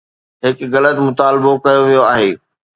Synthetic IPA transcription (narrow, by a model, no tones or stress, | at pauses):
ɦɪkɣɐlət̪mʊt̪aːlɪbokɐjoʋijoaːɦeː